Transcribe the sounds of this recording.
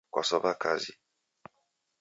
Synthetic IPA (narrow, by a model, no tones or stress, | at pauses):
kwa̰sɔbakʰazḭ